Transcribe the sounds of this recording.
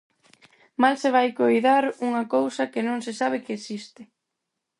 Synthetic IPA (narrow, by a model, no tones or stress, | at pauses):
malsɪβajkojðaɾuŋɐkowsɐkɪnõŋsɪsaβ̞ɪkɪːsist̪ɪ